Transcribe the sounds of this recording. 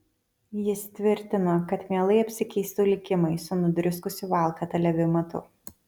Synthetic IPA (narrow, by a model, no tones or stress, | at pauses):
jɪst̪ʲʋʲɪɾʲt̪ʲɪnokɐt̪mʲeɛlˠɐɪɐpʲsʲɪkʲɛɪst̪ʊlʲɪkʲɪmɐɪsʊnʊd̪ʲɾʲʊskʊsʲʊʋɑˑlˠkɐt̪ʲɐlʲɛʋʲɪmɐt̪ʊ̰